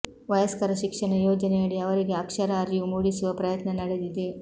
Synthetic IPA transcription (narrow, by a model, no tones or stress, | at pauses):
ʋɐjɐskɐɾɐʃikʂɐɳɐjoːd͡ʒɐneɐɭiɐʋɐɾiɡe̞ɐkʂɐɾaːɾijumuːɽisuʋɐpɾɐjɐt̪nɐnɐɽed̪id̪e